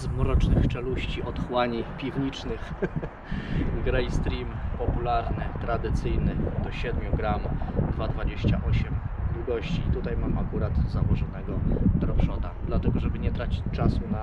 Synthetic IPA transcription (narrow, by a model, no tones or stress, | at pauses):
zmuɾɔt͡ʂnɘxt͡ʂɛluɕt͡ɕiʔɔt̪xwaɲipʲivɲit͡ʂnɘx | ɡɾɛjst̪ɾʲimpɔpulaɾnɘt̪ɾad̪ɘt̪sɘjnɘd̪̥ɔɕɛd̪mʲjuɡɾamd̪vad̪vad͡ʑeɕt͡ɕa̰ʔɔɕɛmd̪wuɡɔɕt͡ɕiːt̪ut̪ajmamakuɾad̪zawɔʐɔnɛɡɔd̪ɾɔʐɔd̪ad̪lat̪ɛɡɔʐɛbɘɲɛt̪ɾat͡ɕi̥t͡ɕt͡ʂasuna